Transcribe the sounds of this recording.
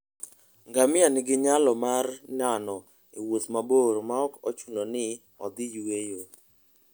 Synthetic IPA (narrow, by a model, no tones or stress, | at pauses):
ŋɡamɪanɪɡɪɲalɔmarnanɔ | ḭwot̪maboɾmaɔkɔt͡ʃunonɪ | ɔ̰d̪ɪjuwejo